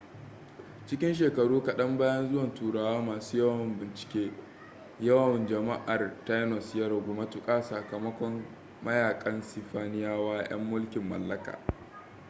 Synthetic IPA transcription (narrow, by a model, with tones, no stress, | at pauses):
t͡ʃɪ˦kʲɪ˦nʃ̬eː˨kɐ˨ɽuː˦kɐ˨ɗɐ˦mbaː˦jɐ˦nzʊ˦wɐ˨ntuː˨ɽaː˨waː˦maː˨suː˦jɐ˦wɐ˨mbɪ˨nt͡ʃɪ̥˨kʲeː˦ | jɐ˦wɐ˨nd͡ʒɐ˨ma˦ʔa˨rta˦jnɔ˨sjɐ˦ɾɐ˨ɡʷʊ˨ma˦tʊ˦kʼaː˦sɐ˨kɐ˨mɐ˦kʷɔ˦mː | ɐ˦jaː˨kʼɐ˦nsɪ˨ɸaː˦nɪ˦jaː˦waː˦j̰ɐ̰˦mːʊ˦lkʲɪ˨mːɐ̰˨lːɐ˦ka̰ː˨